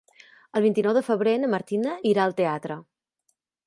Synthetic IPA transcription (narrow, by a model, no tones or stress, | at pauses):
əlˠβint̪inɔwðəfəβɾenəməɾt̪inəʔiɾaəlˠt̪eat̪ɾə